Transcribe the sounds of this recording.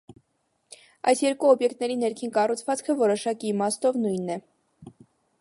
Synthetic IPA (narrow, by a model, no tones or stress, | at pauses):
ɑ̰jsjɛɾkuɔbjɛkt̪nɛɾinɛɾkʰinkɑrut͡sʰvɑt͡skʰəvɔɾɔʃɑkiːmɑst̪ɔvnujnːɛ